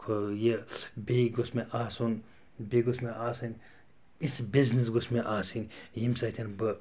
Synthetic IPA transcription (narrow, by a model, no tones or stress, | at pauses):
kʰojebejɡosmeʔaːsun | beɡosmeʔaːsɐnʲ | isbiznisɡosmeʔaːsinʲjimsɐt̪ʰinbɨ